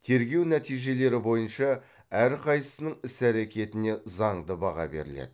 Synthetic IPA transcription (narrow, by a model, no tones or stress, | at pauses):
t̪ʰe̞ɾɡʲe̞wnæt̪ijʒe̞le̞ɾɪbo̞jənʃɑ | æɾqʰɑjsə̥sənəɴɪsæɾe̞kʲe̞t̪ɪne̞zɑɴd̪əbɑʁɑ̰be̞̰ɾɪlḛd̪ɪ